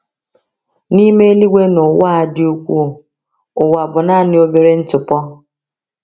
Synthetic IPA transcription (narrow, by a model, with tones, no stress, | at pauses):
ni˦me˦li˦wʷe˦nʊ˨wa˦a˦dɪ˦u˦kʷu˦˨ | ʊ˨wa˨bʊ˨na˦˨nɪ˦o˦be˨ɾe˦n̩˦tʊ˨pɔ˦